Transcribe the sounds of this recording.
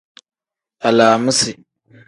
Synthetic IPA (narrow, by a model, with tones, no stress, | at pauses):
a˨laː˨mə˦si˨